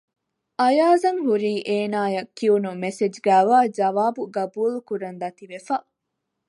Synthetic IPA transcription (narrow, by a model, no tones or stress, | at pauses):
ʔɐjaːzɐŋɦuɾiːʔeːnaːjɐkːiunumesed͡ʒɡæːʋaːd͡ʒɐʋaːbuɡɐbuːlukuɾɐnd̪ɐt̪iʋefɐ